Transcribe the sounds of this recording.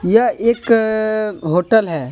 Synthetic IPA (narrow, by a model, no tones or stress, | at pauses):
jaeːk | ɦoːʈəlɦɛː